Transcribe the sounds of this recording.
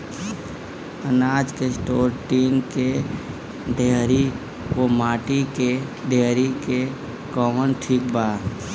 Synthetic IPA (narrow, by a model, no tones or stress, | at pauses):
ənaːd͡ʒkesʈoːɾʈiːnke | ɖʱeɦɾi | ʋomaːʈikeɖʱeːɦɾike | kɔːmənʈʰiːk̚baː